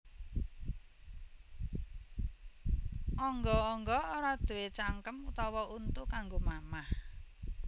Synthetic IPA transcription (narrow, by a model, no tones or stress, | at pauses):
ʔɔŋɡɔːŋɡɔoɾad̪̥ṳwet͡ʃaŋkəmut̪ɔwɔunt̪ʊʔkaŋɡomamah